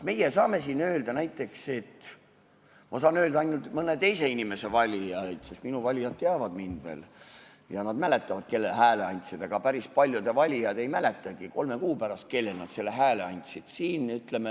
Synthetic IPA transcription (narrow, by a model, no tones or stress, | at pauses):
me̞jesɑːme̞siːnø̞ːld̪̥ɑnæjt̪ːˑe̞kse̞t̪ | mʔɑs̬ɑːnø̞ːld̪ɑɑjnult̪mɤnet̪e̞jse̞inʲime̞se̞vɑlʲiɑd̪̥sest̪minuvɑlʲijɑt̪̚t̪ːeɑvɑd̪̥mind̪ve̞̰ːl | jɑnɑd̪mæle̞t̪ːˑɑvɑd̪̥̚ke̞lːelɦæːle̞ɑnʲt̪sid̪̥ɑɡ̥ɑpæɾispɑlʲjud̪evɑlʲijɑd̪e̞jmæle̞t̪ːˑɑɡ̥iko̞lme̞kuːpæɾɑst̪̚ke̞lːelnɑ̰d̪̥se̞lːe̞ɦæːle̞ɑnʲt̪ʲsid̪̥siːnyt̪ˑleme